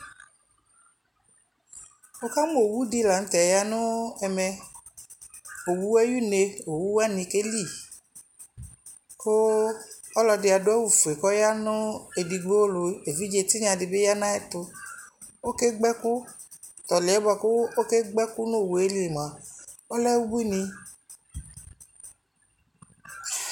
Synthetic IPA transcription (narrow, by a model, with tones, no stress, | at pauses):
o˦ka˦m˦o˨wu˦di˦˨la˨n̩˦t̪ɛ˨ja˦nʊ̃˦ɛ˧mɛ˧ | o˨wu˦ɛ˦ju˦ne˧o˨wu˦wa˦nĩ˧ke˦li˦˨ | ko˦ɔ˦lɔ˧dɪ˧a˨dʊ˦ɛ˦wu˨fu˨e˨kɔ˦ja˦nʊ˦e˨di˧ɡ͡bo˦lo˧e˨vi˦d͡ʒe˧ti˦ɲã˧di˧be˦ja˦nã˦ɛ˦t̪ʊ˧ | o˦ke˦ɡ͡bɛ˦ku˦ | t̪ɔ˨le˨ɛ˨˦bɔ˧˨ko˦o˦ke˦ɡ͡bɛ˦ku˦no˦˨wu˨e˦li˦e˨mã˨ | o˦lɛ˦wu˦bu˦nĩ˧